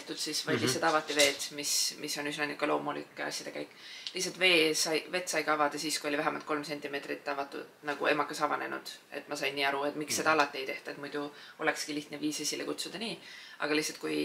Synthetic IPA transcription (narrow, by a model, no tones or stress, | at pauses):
eht̪ud̪sisvɑjd̪lihsɑt̪ɑvɑt̪ːˑive̞ːt̪mismʔisːo̞nysnɑnikːɑlo̞ːmulikːˑeɑ̰sʲjɑd̥̪e̞kæjkːˑlihs̬ɑlt̪ve̞ːsɑjve̞t̪sɑjɡɑɑvɑd̪̥ɑsiːskujo̞livæɦæmɑlt̪ko̞lmse̞nʲt̪ime̞ːt̪rit̪ːɑvɑt̪ːˑṵnɑɡ̥ue̞mɑkːɑsɑvɑne̞̰nṵd̪̥e̞̰t̪mɑsɑjnːiːɑɾue̞t̪mikse̞d̪ɑɑlɑt̪ːˑie̞jt̪e̞ht̪ue̞t̪mujd̪̥uo̞̰le̞kskiliht̪neviːsesʲilekut̪sud̪̥ɑniːɑ̰ɡ̥ɑlihtsɑlt̪kuj